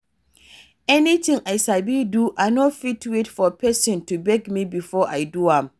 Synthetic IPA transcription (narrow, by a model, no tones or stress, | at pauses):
ɛnitʰĩŋʔaɪsabiduʔaɪnɔfitwetfɔpʰɛsɔ̃ntʰubɛɡmĩbifɔʔaɪduãm